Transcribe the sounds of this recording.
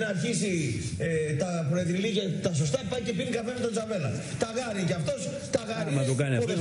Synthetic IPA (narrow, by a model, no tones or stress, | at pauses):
nɐːɾçisiet̪ɐpɾoeðɾiliʝɐt̪ɐso̞s̬t̪ɐpupɐjce̞pinikɐfenɐt̪ond͡zzɐve̞lɐt̪ɐɣɐɾicɐft̪o̞s | t̪ɐɣɐɾimɐt̪okɐniɐoðe